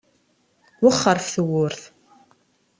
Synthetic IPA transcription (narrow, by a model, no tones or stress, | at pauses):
wʊχːəɾˤfθəwʊɾθ